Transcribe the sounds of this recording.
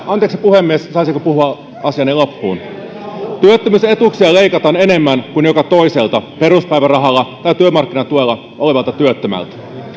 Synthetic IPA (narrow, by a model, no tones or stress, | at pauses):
ɑnt̪eksipuhemːiessɑijsikøpuhuɑ | ɑsiɑnilopːṵːn | t̪yøt̪ːømyse̞t̪uksiɑle̞jkɑt̪ɑːne̞ne̞mːænkunjo̞kɑt̪o̞ise̞lt̪ɑpe̞ɾuspæjʋærɑɦɑlːɑt̪ɑjt̪yømɑrkːinɑt̪uelːɑ | ʔo̞le̞ʋɑlt̪ɑt̪yøt̪ːømæ̰lt̪æ̥